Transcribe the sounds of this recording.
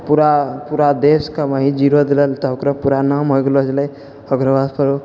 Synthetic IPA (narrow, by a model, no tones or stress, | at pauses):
puɾapuɾad̪eskamaɦid͡ʒiɾod̪eləlt̪ɔɦokɾəpuɾanamɦojɡelɔd͡ʒləj | əɡɾəbad̪pʰəɾo